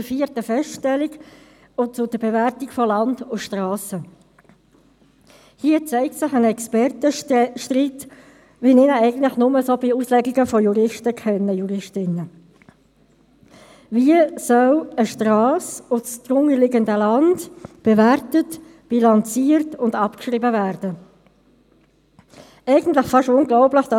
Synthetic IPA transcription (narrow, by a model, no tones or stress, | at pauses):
fiəɾtəfɛsʃtɛliɡ | ʊt͡sʊd̥əb̥evæɾtikfɔlɑndʊʃtʁɑːsə | hiːət͡sɛɪk̚tsɪχənɛkspɛɾtəʃtrit | ʋinɪnəæɪɡən̩tlɪχnʊməsoːbɪuslɛɡiɡəfɔjuɾɪʃtəkʰɛnːəjuɾɪʃtɪnːə | viəsœləʃtɾɑːsʊstʁʊŋəlɪɡəndəlɑndb̥evæɾtət | b̥ilɑnt͡siːɾtʊndɑpkʃʁiːbəvæːɾd̥ə | ɛɪɡən̩tlɪχfɑʃʊŋɡlɔʊblɪχd̥ɑ